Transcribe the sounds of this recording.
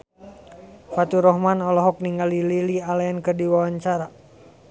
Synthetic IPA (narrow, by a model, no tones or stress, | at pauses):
fat̪uɾɔhmanɔlɔɦɔk̚niŋɡalililialaankərdiwawaɲt͡ʃaɾa